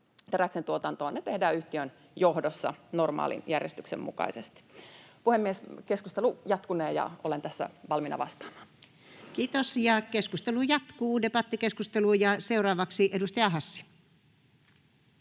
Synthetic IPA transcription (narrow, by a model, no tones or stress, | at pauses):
t̪eræksent̪uot̪ɑnt̪oɑnet̪ehdæːyht̪iøn | johdosːɑ̰normɑ̰ːlḭnjærjḛst̪yksḛmmṵkɑ̰isest̪i̥puhemːieskeskust̪elujɑt̪kuneːjɑ̰olent̪æsːæ̰ʋɑlminɑ̰ʋɑst̪ɑ̥ːmɑ̥ːn | kiːt̪osjɑkeskust̪elujɑt̪kuːdepɑt̪ːikeskust̪elujɑseurɑːʋɑksiʔedust̪ɑjɑɦɑsːi̥